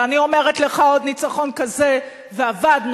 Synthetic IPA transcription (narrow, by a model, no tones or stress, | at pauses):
anio̞meʁetle̞χaod̪nit͡saχo̞nkaze | veavadm